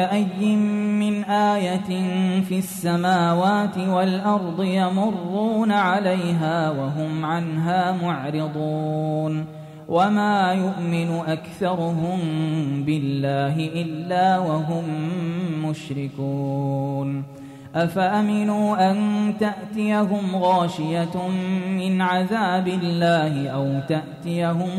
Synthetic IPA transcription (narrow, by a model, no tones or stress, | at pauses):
aʔajːɪmːɪnʔaːjat̪nfiasːamaːwaːt̪ɪwalʔɑɾˤd̪ˤɨjamʊrˤːuːnaʕalajɦaːwaɦʊmʕanɦaːmʊʕɾɪd̪ˤuːn | wʔamaːjʊʔmɪnʊʔakθɑɾˤʊɦʊmbɪlːaːɦɪʔɪlːaːwaɦʊmː | ʊʃɾɪkuːn | ʔafaʔamɪnuːʔant̪aʔt̪ɪjaɦʊmɣɑːʃɪjaː | ɪnʕaðaːbɪlːaːhɪʔawt̪aʔt̪ɪjaɦʊm